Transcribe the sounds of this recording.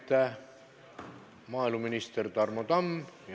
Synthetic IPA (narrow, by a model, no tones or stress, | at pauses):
t̪ːæ | mɑːilmuminist̪ert̪ɑrmod̪ɑm